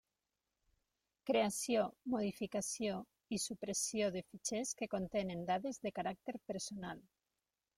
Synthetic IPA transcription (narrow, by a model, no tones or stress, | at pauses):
kɾeasjomoð̞ifikasjo | isupɾesjoðefit͡ʃeskekont̪enend̪aðezðekaɾak̚t̪eɾpeɾsonal